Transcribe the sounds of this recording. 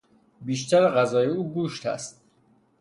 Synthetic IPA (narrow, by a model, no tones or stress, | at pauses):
biːʃt̪ʰæɾeɣæzɒːjeuːɡuːʃt̪ʰæ̰st̪̚